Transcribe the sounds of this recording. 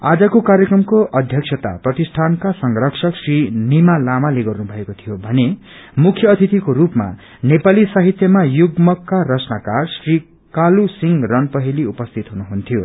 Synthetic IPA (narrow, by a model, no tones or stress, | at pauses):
ad͡zʌkokaɾjʌkrʌmkoʔʌd̪ʱjʌksʰʌt̪a̰prʌt̪isʈʰankasʌŋrʌksʰʌksrinimalamaleɡʌrnubʱʌekot̪ʰijobʱʌne | mukʰːjʌːt̪ʰit̪ikoɾupma̰ | nepalisaɦit̪jʌmajuɡmʌkːaɾʌt͡snakarsri | kalusiŋrʌnpʌɦiliupʌst̪ʰit̪ɦunuɦunt̪ʰijo